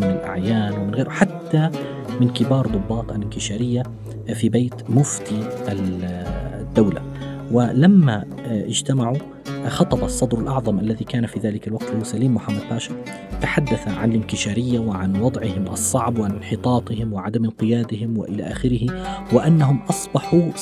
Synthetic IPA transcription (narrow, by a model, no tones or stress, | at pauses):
mɪnɪlʔa̰ʕjaːnwɪmɪnɣeːɾwħat̪ːa | mɪnkɪbɑːɾˤd̪ˤʊbːɑːt̪ˤalɪnkɪʃaːɾɪjːa | fibeːt̪mʊft̪ia | d̪ːawla̰ | wɪlamːa | ʔɪd͡ʒt̪amaʕu | xɑt̪ˤɑbɑsˤːɑd̪ɾˤɪlʔɑʕðˤɑmʔalːaðikaːnafiðaːlɪkalwaq̚t̪ɪhusaliːmːʊħamːad̪̚baːʃɑɾ | t̪aħad̪ːaθaʕa̰nɪlɪnk̪ɪʃaːɾɪjːawɪʕanwɑd̪ˤʕɪhɪmʔɑ̰sˤːɑʕbwʕanɪnħɪt̪ˤɑːt̪ˤɪhɪmwɪʕad̪amɪnqɪjaːd̪ɪhɪmwɪ̰ʔɪla̰ʔa̰ːxɪɾɪhɪwɪʔanːaɦʊmʔɑsˤbɑħu